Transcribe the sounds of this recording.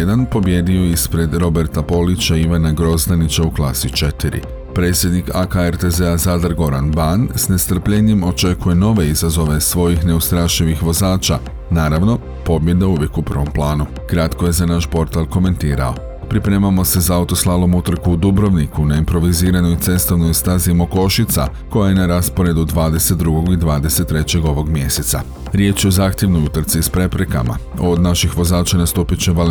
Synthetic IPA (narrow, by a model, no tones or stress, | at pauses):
ed̪anpo̞bje̞d̪io̞ispɾe̞d̪ɾo̞beɾt̪apo̞lit͡ɕaiʋanaɡɾo̞zd̪anit͡ɕauklˠaːsit͡ʃe̞t̪iɾḭ | pɾe̞ːt̪sʲjed̪nikakaeɾt̪e̞zeazad̪ɾɡo̞ɾanbansne̞st̪r̩pʎe̞ɲemo̞t͡ʃe̞kuje̞no̞ʋe̞izazo̞ʋe̞sʋo̞jixne̞ust̪ɾaʃiʋixʋo̞zaːt͡ʃa | naːɾaʋno̞ | po̞bje̞d̪euʋjekupr̩ʋo̞mplˠaːnu | kɾat̪ko̞je̞zanaʃpo̞ɾt̪alˠko̞me̞nt̪iːɾa̰o̞ | pɾipɾe̞ːmamo̞se̞zaaut̪o̞slˠaːlˠo̞mut̪ɾ̩kuːd̪ubɾo̞ʋnikunaimpɾo̞ʋiziːɾanoit̪se̞st̪o̞ʋnojist̪azimoko̞ʃit̪sa̰ | ko̞jaje̞naɾaspo̞ɾe̞d̪ud̪ʋaːd̪e̞set̪ːɾuɡo̞ɡid̪ʋaːd̪e̞se̞t̪ːɾe̞t͡ɕe̞ɡo̞ʋo̞ɡmje̞set̪sa̰ | ɾje̞t͡ʃjeozaːxt̪jeʋno̞jut̪ɾ̩t̪sispɾe̞pɾe̞ka̰ma̰ | o̞d̪naʃixʋo̞zaːt͡ʃanast̪uːpit͡ɕeʋal